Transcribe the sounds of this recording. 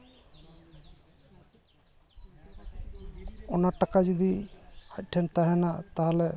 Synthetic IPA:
ɔnaʈakad͡ʒɔd̪iac̚ˀʈʰɛnt̪aɦɛnat̪aɦalɛ

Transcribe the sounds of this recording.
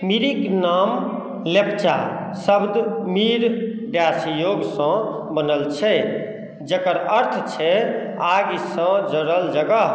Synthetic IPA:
miɾiknam | lept͡ʃa | səbd̪miɾ | ɖjasjoɡsə̃ | bənəlt͡ʃʰɛ | d͡ʒəkəɾəɾt̪ʰt͡ʃʰɛ | aɡisə̃d͡ʒəɾəld͡ʒəɡəɦ

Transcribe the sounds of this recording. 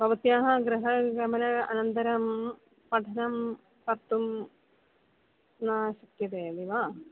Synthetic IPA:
bʱɐʋɐt̪jaːɦɐɡɾɐɦɐɡɐmɐnɐɐ̰nɐnt̪ɐɾɐm | pɐʈʰɐnɐm | pɐt̪ːum | naːɕɐkjɐt̪eːɐd̪iʋaː

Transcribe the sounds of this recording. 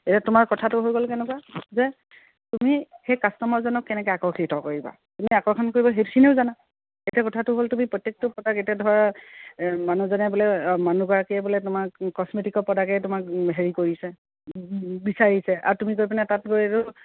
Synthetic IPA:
etiatʊmaɹkɔtʰatʊɦojɡolkɛnɛkwazɛ | tumixejkastɔmɔɹzɔnɔkːɛnɛkɛakɔɹkʰitɔkoɹiba̰ | tumiakɔɹkʰɔnkoɹibɔɦetʰineʊzana | etiakɔtʰatʊɦoltumipɹɔtːek̚tɔpɔdaketiadʱɔɹa | manuzanɛbɔlɛmanuɡɔɹakiɛbɔlɛtʊmakɔsmetikɔpɔdakɛtʊmakɦeɹikoɹisɛ | bisaɹisɛʔa̰ɹtumikojpanɛtat̚boɛtʊ

